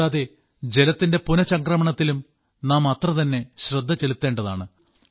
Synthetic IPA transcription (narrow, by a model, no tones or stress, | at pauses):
aːðe̞ | d͡ʑe̞lɐt̪ːinde̞punɐɕɐŋkrɐmɐɳɐt̪ːilum | naːmɐt̪rɐt̪ɐnːe̞ɕrɐd̪ʱːɐt͡ɕelut̪ːeːɳɖɐða̰ːɳɨ